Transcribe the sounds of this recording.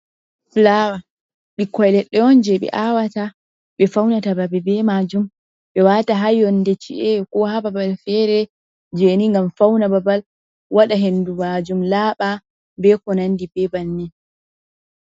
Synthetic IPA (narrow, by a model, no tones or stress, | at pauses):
flawa | ɓikɔjlɛɗːɛɔnd͡ʒɛɓɛ̰ʔawata | ɓɛfawnatababɛbɛmad͡ʒum | ɓɛwataɦajɔndɛt͡ʃḭʔɛkɔhababalfɛɾɛ | d͡ʒeniŋɡamfawnababal | waɗaɦendumad͡ʒumlaːɓa | bɛkɔnandibɛbanːi